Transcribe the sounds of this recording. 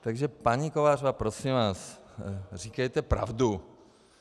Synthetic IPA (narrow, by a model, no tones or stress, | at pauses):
t̪aɡʒɛpaɲikovaːrvapɾosimvaːs | riːkɛjt̪ɛpɾa̰vdu